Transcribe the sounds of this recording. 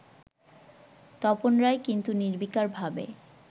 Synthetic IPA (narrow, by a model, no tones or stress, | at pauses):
t̪ɔponɾaekint̪uniɾbikaɾbʱabḛ